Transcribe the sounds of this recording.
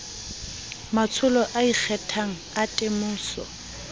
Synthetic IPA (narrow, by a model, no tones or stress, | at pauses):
mat͡sʰʊlɔʔaik͡xʰɛtʰaŋ̩atʼɪmʊːsɔ̰